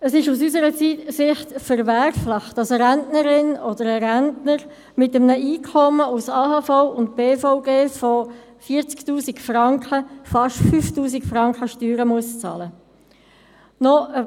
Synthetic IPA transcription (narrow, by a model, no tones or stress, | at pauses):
əsɪʃusysəɾət͡siːtsɪχtfəɾvæɾfləχd̥ɑsəɾæntnəɾɪnɔd̪əɾəɾæntnəɾ | mɪtəmnəʔiːkʰχɔməusɑːhɑːfɔʊʊnt̚b̥eːfɔʊɡeːfɔ | fiəɾt͡sktuːsikfrɑŋkχəfɑʃtfyftuːs̬ikfɾɑŋkχəʃtyːɾəmuəst͡sɑ̰ːlə | nɔʔə